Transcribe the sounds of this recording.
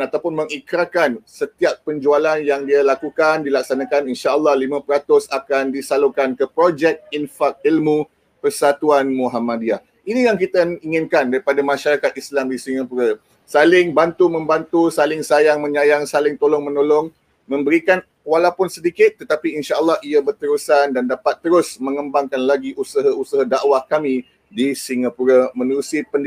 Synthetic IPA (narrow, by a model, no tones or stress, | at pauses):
at̪awpʊnmə̃ŋikɾakansət̪iapːəɲd͡ʒualanjaŋdialakukandilak̚sanãkaninʃaəlːɑhlimãpəɾat̪ʊsakandisalukankəpɾod͡ʒɛk̚infak̚ilmũ | pərsat̪uanmũɦamadiah | inijaŋkit̪aiŋɪnkandaɾipadamãʃaɾakat̪̚islamdisiŋə̃puɾə | salɪŋbant̪umə̃mbant̪usalɪŋsajaŋmə̃ɲajaŋsalɪŋt̪olɔŋmənolɔŋ | mə̃mbəɾikan | walawpʊnsədikɪt̪̚ːət̪apiinʃaəlːahiabərt̪əɾusandandapat̪ːəɾʊsmə̃ŋəmbaŋkanlaɡiʔusəɦausəɦadaʔwahkamĩ | disiŋapuɾamə̃nuɾusipənd